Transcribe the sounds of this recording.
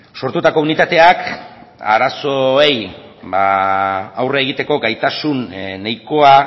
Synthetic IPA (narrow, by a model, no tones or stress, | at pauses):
so̞ɾt̪ut̪ako̞unit̪at̪e̞ak | a̰ɾaso̞ejba | awreaeɣit̪e̞ko̞ɡajt̪asunːajko̞a